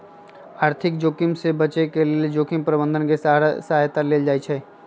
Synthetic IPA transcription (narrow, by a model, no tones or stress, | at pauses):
aːɾt̪ʰɪk̚d͡ʒoːkɪmsebət͡ʃekelied͡ʒoːkɪmpɾəbə̃nd̪ʱənkesɾsəɦaːjt̪aleːld͡ʒaːit͡ʃʰɛː